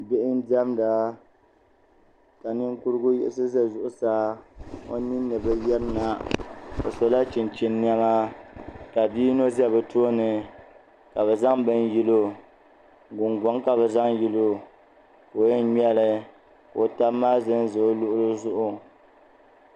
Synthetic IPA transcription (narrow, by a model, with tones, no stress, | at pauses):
bɪ˦ʔɪ˦n˦di˦ɛ˦mda˨ | ka˨nɨ˦ŋku˦ɾɨ˦ɡʊ˦jɪ̰˦ɪ˦sɨ˦zɛ˦zʊ˦˨ʔʊ˦saː˦o̰˦ni˦nː˦ɨ˨bɨ˦jɛ˦ɾna˨o̰˨so˨la˦t͡ʃi˨n˨t͡ʃi˨nː˦ɛ˦ma˦ka˨biː˦no˦zɛ˦bɨ˨to˦o˦nɨ˨ | ka˨βɛ˨za˦ŋbɨ˦nji˦lo˦ | ɡʊ˨ŋɡɔ˨˦ŋka˨bɛ˨za˦ŋji˦lo˦ | ko˨jɛ˦ɲɛ˦lɨ˦ | ko˨ta˦mːaː˦zɨ˦n˦zo˨o˦lʊ˦ʔʊ˦ɾɨ˦zʊ˦ʔʊ˦